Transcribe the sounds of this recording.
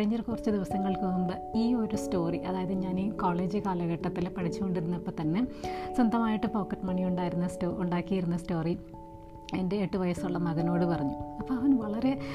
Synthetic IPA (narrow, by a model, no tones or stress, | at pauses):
kɐɻiɲːɐrkurɐt͡ɕːɨd̪iʋɐsɐŋːɐɭkɨumbɐ | iːo̞ɾusto̞ːriʔɐðaːjɐðɨɲaːnikoːɭe̞ːd͡ʑɨkaːlɐɣɐʈːɐt̪ːilpɐʈʰit͡ɕːuko̞ɳɖiɾunːɐpːoːt̪ɐnːeswɐnd̪ɐmaːjiʈːɨpo̞ːkːɐʈːɨmɐɳijuɳɖaːjiɾunːɐstoːʔuɳɖaːkːijiɾunːɐsto̞ːri | ɐðinde̞ːʈːɨʋɐjɐsuɭːɐmɐɣɐno̞ːɽɨpɐrɐɲːuɐpːoːɐʋɐnʋɐɭɐɾe̞